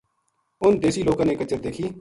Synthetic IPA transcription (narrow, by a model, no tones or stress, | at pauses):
ʊnd̪eːsiːloːkãːneːkət͡ʃəɾd̪eːkʰiː